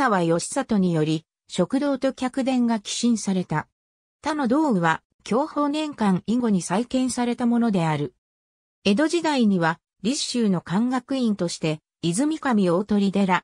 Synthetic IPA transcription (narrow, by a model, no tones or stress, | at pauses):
aβajo̞ɕi̥sat̪o̞ɲ̟ijo̞ɾʲi | ɕo̞kɯ̟d̪o̞ːt̪o̞kʲakɯ̟d̪ẽ̞ŋɡakʲi̥ɕĩɰ̃saɾe̞t̪a | t̪ano̞d̪o̞ːɯ̟βa | kʲo̞ːho̞ːnẽ̞ŋkãŋiŋɡo̞ɲ̟isaikẽ̞ɰ̃saɾe̞t̪amo̞no̞d̪e̞aɾɯ̟ | e̞d̪o̞ʑid̪aiɲ̟iβa | ɾʲiɕːɨːno̞kãŋɡakɯ̟ĩnt̪o̞ɕi̥t̪e̞ | izɨmʲikamʲio̞ːt̪o̞ɾʲid̪e̞ɾa